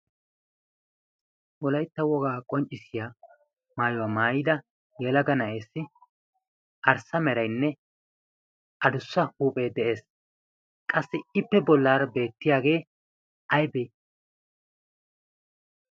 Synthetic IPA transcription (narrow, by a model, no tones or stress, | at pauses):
wɔlɐjt̪ːɐwɔɡaːkʼɔnt͡ʃʼːɪsɪjaː | maːjʊwaːmaːjɪd̪ɐ | jɛlɐɡɐnɐʔeːsːɪ | ʔɐɾsɐmɛɾɐjnːɛ | ʔɐd̪ʊsːɐhuːpʼe̞ːd̪ɛʔe̞ːs | kʼɐsːɪɪpːɛbɔlːaːɾɐbe̞ːt̪ːɪjaːɡe̞ː | ɐjbe